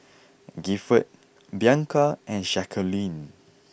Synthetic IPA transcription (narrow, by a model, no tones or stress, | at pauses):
ɡifət̚ | bjãŋkaʔɛ̃nʃɛkʰəlĩn